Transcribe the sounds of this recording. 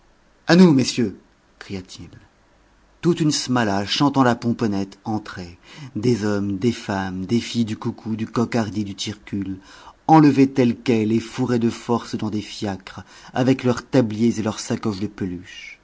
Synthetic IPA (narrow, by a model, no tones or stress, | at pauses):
anumesjø | kχijat̪ʰil | t̪ut̪ynsmalaʃɑ̃t̪ɑ̃lapɔ̃pɔnɛt̪ɑ̃t̪χed̪ezɔmd̪efamd̪efijd̪ykukʰud̪ykɔkaʁd̪id̪yt̪iʁkʲylɑ̃ləvet̪ɛlkɛlefuʁed̪əfɔʁsd̪ɑ̃d̪efjakχavɛklœʁt̪abljezelœʁsakɔʃd̪əpəlyʃ